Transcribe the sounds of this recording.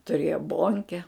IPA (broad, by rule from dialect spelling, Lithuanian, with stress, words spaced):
tʊˈrʲeːjoː ˈboːŋʲkʲɛ